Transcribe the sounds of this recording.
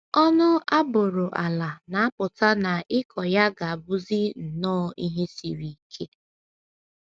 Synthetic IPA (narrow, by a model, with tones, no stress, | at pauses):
ɔ˦nʊ˦a˦bʊ˨ɾʊ˨ʔa˨la˨na˨a˦pʊ˨ta˦na˨ʔɪ˦kʰɔ˨ja˦ɡa˨a˨bʊ˦zi˦n̩˨nɔː˦i˦ɦe˦si˨ɾi˨˦kʰe˦